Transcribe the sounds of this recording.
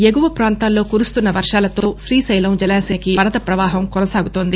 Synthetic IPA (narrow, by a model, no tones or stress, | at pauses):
eɡuʋɐpɾaːnt̪aːlːo̞ːkuːɾust̪unːɐʋɐɾʂaːlɐt̪o̞ːʃɾiːsɐjlɐmd͡ʒɐɛlaːseːnɐkiɐɾɐt̪ɐpɾɐʋaːɦɐmkɔnɐsaːɡut̪oːnd̪i